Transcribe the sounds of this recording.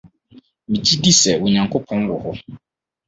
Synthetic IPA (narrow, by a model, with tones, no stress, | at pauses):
mĩ˨d͡ʑi˦di˦sɛ˨wʊ˨ɲã˨ŋkʰo˦pʰɔ̃˦n˦wɔ˨hʊ˦